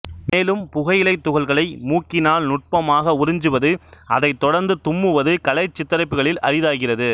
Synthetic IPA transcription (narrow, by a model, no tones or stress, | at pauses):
meːlɯmpʊɣɐjɪlɐɪt̪ːʊɣɐɭɣɐɭɐɪmuːkːɪnaːlnʊʈ̚pɐmaːɣɐʊɾɪɲd͡ʒɯʋɐðɯɐðɐɪt̪ːɔɽɐɾnd̪ɯt̪ʊmːɯʋɐðɯkɐlɐɪt͡ʃːɪt̪ːɐɾɐɪpːɯɣɐɭɪlɐ̰ɾɪðaːɣɪrɐðɯ